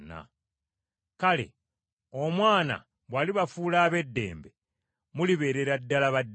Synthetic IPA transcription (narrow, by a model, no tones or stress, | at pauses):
na̰ | kale̞̰ | omwaːna̰ | βwaːliβafuːlaːβe̞dːe̞̰ːmbe̞ | muliβe̞ːɾe̞ɾadːalaβadː